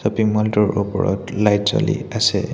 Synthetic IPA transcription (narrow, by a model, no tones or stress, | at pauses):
sɔpiŋmaltɔɹʔupɔɹɔtlajtzoliasɛ